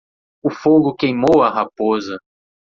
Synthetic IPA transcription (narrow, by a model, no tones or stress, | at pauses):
ʊfoɡʊkejmowɐɦapozɐ